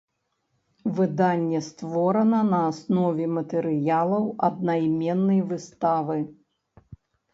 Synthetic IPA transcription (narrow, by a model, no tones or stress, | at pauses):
vɨd̪anʲːɛst̪vɔɾɐnɐnɐːsnɔvʲɛmɐt̪ɛɾɨjalˠɐwɐd̪̚najmʲɛnːɐjvɨst̪avɨ